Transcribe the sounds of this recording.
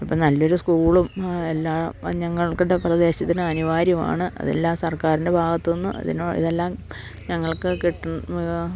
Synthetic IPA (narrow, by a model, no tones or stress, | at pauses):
ipːɐɭnɐlːo̞ɾuskuːɭume̞lːaːmɲɐŋːɐɭkuɳɖe̞prɐd̪e̞ːɕɐt̪ːinɨɐniʋaːɾjɐma̰ːɳɨʔɐ̰ðe̞̰lːaːmsɐrkaːɾinde̞bʱaːɡɐt̪ːo̞nːuʔɐ̰ðḭnoːḭðe̞lːaːm | ɲɐŋːɐɭkɨkiʈːunː